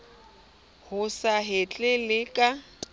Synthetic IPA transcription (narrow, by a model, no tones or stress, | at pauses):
hʊsaɦɪt͡ɬʼɪlɪkʼa